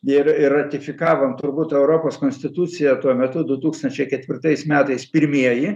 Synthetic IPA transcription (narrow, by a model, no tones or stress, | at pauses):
ɪɾɪrːɐt̪ʲɪfʲɪkɑːʋomt̪ʊrbut̪ɛʊɾoːpoːskoːnʲsʲt̪ʲɪt̪ut̪t͡s̪ʲɪjɛt̪uɔmʲɛt̪ʊd̪ʊt̪uːkst̪ɐnʲt͡ʃʲɛɪkʲɛt̪ʲʋʲɪrt̪ɐɪsmʲæːt̪ɐɪspʲɪɾʲmʲiɛjɪ